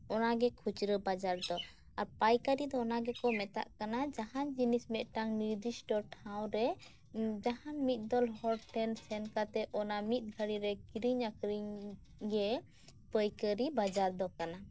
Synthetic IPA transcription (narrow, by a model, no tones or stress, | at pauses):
ɔnaɡɛkʰut͡ʃɾəbad͡ʒaɾd̪ɔ | aɾpajkəɾid̪ɔːnaɡɛkɔmɛt̪a̰ʔkanad͡ʒaɦand͡ʒinismɛʔ̪ʈaŋniɾd̪isʈɔʈʰaw̃ɾɛ | d͡ʒahanmit̪̚ˀd̪ɔlɦɔɾʈɛnsɛnkat̪ɛʔɔnamit̪̚ˀɡʱəɽiɾɛkiɾiɲakɾiɲ | ɡɛ | pəjkəɾibad͡ʒaɾd̪ɔkana